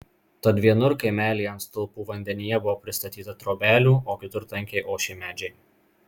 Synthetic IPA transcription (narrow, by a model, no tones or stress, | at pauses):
t̪ɐd̪ʲʋʲiɛnʊɾkɐɪmʲæːlʲijɛnt̪st̪ʊlˠpuːʋɐnʲd̪ʲɛnʲijɛbʊʋoːpʲɾʲɪst̪ɐt̪ʲiːt̪ɐt̪ɾoːbʲæːlʲuːʔoːkʲɪt̪ʊɾt̪ɐŋʲkʲɛɪʔoːʃʲɛɪmʲæːd͡ʒʲɛɪ